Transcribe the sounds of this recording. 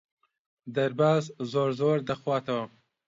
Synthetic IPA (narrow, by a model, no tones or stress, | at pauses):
d̪ɐɾbaːzzoːɾzoːɾd̪ɐxwaːt̪ɐwɐ